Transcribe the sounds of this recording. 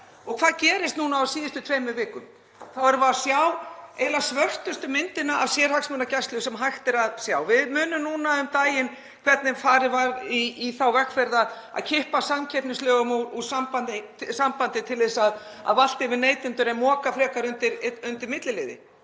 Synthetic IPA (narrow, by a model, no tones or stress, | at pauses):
ɔɣkʰvaːðcɛːɾɪst̪nuːnaːwsiːðɪst̪ʏt̪ʰvejmʏvɪːkʏm | θawɛɾvaasjawejlasvœr̥t̪ʏst̪ʏmɪnt̪ɪnaʔavsjɛɾ̥haksmʏnacajst̪lʏʏsɛmɦajxt̪ɛɾaðsjawvɪðmʏːnʏmnuːnaʏmt̪aːjɪn | kʰvɛɾt̪nɪfaːɾɪvaɾiːθawvɛkfɛɾðað | a̰ðcʰɪhpasamcʰɛpnɪnstlœːɣʏmuusampant̪ɪsampant̪ɪt̪ʰɪlðɛsað | a̰ðval̥t̪ɪvɪɾneːjt̪ɪnt̪ʏɾɛnmɔːkafɾɛːkaɾʏnt̪ɪɾʏnt̪ɪɾmɪt̪lɪlɪːðɪ̰